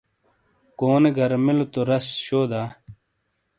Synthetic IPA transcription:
koːneɡʱɐɾmilot̪oɾɐsɕoːd̪aː

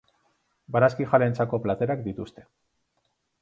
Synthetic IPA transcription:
baɾaskixalent͡sako̞plat̪e̞ɾakd̪it̪ust̪e̞̥

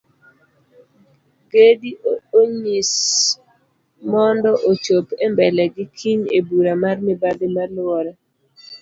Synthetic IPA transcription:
ɡedioɲis | mɔndɔʔot͡ʃopembɛlɛɡɪkʰiɲḛbuɾamarmɪbadɪmalɔɾɛ

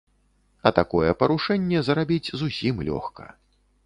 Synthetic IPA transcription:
ɐt̪akɔjɛpɐɾuʂɛnʲːɛzɐɾabʲid͡zʲzusʲimlʲɔ̰xkɐ̥̰

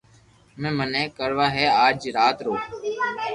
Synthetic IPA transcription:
mɛ̃ːmənẽːkəɾʋaːɦeːaːd͡ʒɾaːt̪ɾoː

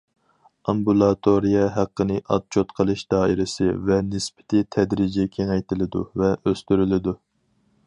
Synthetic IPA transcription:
ɑmbulˠɑt̪ʰoɾijɛɦæqːənɨʔɑ̰t̪̚t͡ʃʰot̪qʰəlˠɨʃd̪ɑːiɾɪsɪ̰vɛnɪspɪ̥t̪ʰɪt̪ʰɛd̪ɾid͡ʒɛkʲʰeŋɛjt̪ʰɪlɪd̪ṵvɛʔøst̪yɾylɪd̪u

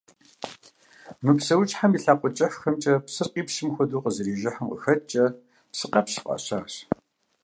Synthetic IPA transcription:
mɨpsɐwt͡ʃʼħamiːɬaːqʷʼɔt͡ʃʼɐfxɐmt͡ʃʼɐpsɨrqʼiːpʃɪmxʷɔduːqəzɨɾiːʒɪħɐmqə̰xɐt͡ʃʼɐ | psɨqɐpʃi̥qʼɐ̰ɕaːɕ

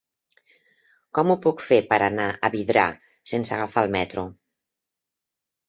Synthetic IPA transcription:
kɔmupukfepəɾanaʔəβiðɾa̰ | sensəɣafalˠmɛt̪ɾu

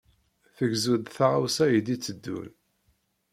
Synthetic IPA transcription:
θəɡzud̪θaʁawsæjəd̪it͡sːəd̪ːṵl

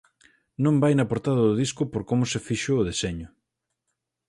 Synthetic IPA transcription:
nõmbajnɐpoɾt̪aðɐðʊðiskʊpoɾkomʊsefiʃʊʊð̞eseɲʊ

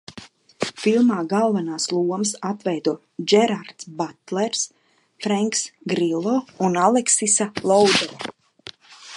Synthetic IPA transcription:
filˠmaːɡalˠvanaːslˠuɔmsat̪vɛjd̪u | d͡ʒɛɾaɾt̪sbat̪lɛɾs | fɾaŋksɡɾilˠɔːunalˠɛksisalˠɔwd̪ɛɾa

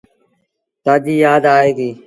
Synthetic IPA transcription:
t̪aːd͡ʒiːjaːd̪aːɦeːɡiː

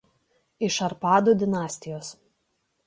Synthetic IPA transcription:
ɪʃɐɾpɑːd̪uːd̪ʲɪnɑːsʲt̪ʲɪjoːs

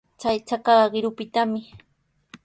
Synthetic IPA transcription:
t͡ʃajt͡ʃakaɢɢɪɾʊpɪt̪amɪ

